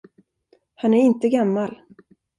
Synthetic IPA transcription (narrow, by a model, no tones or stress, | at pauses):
hanæɾɪnt̪əɡamːal